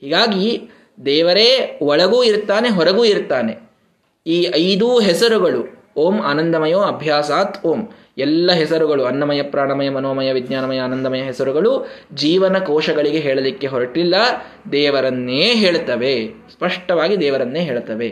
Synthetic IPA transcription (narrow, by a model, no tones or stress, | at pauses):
hiːɡaːɡi | d̪ɛːʋɐɾeːʋɔɭɐɡuːiɾt̪aːne̞ɦɔɾɐɡuːiɾt̪aːne̞ | iːɐjd̪uːɦɛsɐɾuɡɐɭu | oːmaːnɐnd̪ɐmɐjoːɐbʱjaːsaːt̪oːm | ɛlːɐɦɛsɐɾuɡɐɭuɐnːɐmɐjɐpɾaːɳɐmɐjɐmɐnoːmɐjɐʋid̪ɲaːnɐmɐjɐːnɐnd̪ɐmɐjɐɦɛsɐɾuɡɐɭud͡ʒiːʋɐnɐkɔːʃɐɡɐɭiɡe̞ɦeːɭɐlikːe̞ɦɔɾɐʈilːɐ | d̪ɛːʋɐɾɐnːeːɦeːɭt̪ɐʋespɐʂʈɐʋaːɡid̪ɛːʋɐɾɐnːeːɦeːɭt̪ɐʋe